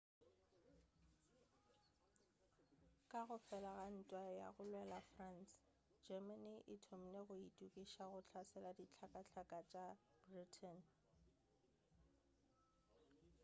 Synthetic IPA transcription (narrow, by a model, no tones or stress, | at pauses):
kʼaɣʊfɛlaɣan̩tʼwaja̰ɣʊlwɛlafrans | d͡ʒɛmaniʔɪtʰom̩neɣʊitʼukʼiʃaɣʊt͡ɬʰasɛladit͡ɬʰakʼat͡ɬʰakʼat͡ʃʼa | b̥ritʰɛn